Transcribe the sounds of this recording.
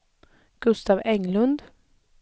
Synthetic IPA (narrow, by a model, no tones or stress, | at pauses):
ɡ̥ɵst̪ɑːvɛŋlɵnd̪